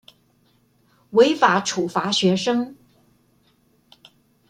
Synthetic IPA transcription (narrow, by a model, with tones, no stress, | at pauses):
we˧˥ɪfa˧˥ʈ͡ʂʰu˨˩fa˧˥ɕɥɛ˧˥ʂɤ˥ŋ